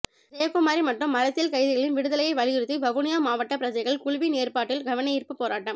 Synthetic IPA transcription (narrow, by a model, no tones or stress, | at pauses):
ɾeːɐkʊmaːɾimɐʈrɯmːɐɾɐt̪ːɪlkɐɪðɪɣɐɭɪnʋɪɽɯðɐlɐjɐɪʋɐɭɪjɪɾɯt̪ːɯbɐʋʊnɪjaːmaːʋɐʈːɐpːɪɾɐt͡ʃɐɪɣɐɭkʊɻʊʋineːrpaːʈːɪlɡɐʋɐnɐjɪrpɯpːoːɾaːʈːɐm